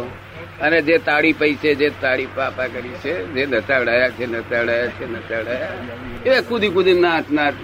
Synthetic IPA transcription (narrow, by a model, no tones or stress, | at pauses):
əned͡ʒet̪aɽipəised͡ʒet̪aɽipapãkəɾit͡ʃʰed͡ʒenətaʋɽajat͡ʃʰenətaɽajat͡ʃʰenəsaʋɽaja | ekud̪ikud̪inaʈnãʈ